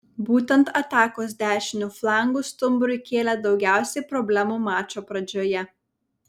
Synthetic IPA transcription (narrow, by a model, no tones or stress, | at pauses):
buːt̪ʲɛnt̪ɐt̪ɑːkoːsd̪ʲæːʃʲɪnʲuflˠɑˑŋɡʊˑst̪ʊmbɾʊɪkʲeːlʲɛd̪ɒʊɡʲæˑʊsʲɛɪpɾɔbʲlʲæmuːmɑːt͡ʃʲoːpɾɐd͡ʒʲoːjɛ